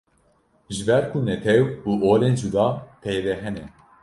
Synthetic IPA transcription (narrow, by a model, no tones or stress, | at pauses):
ʒɨbɛɾkʰunɛt̪ʰɛwuːʔoːleːnʒud̪ɑːp̪ʰɛjɾɛɦɛnɛ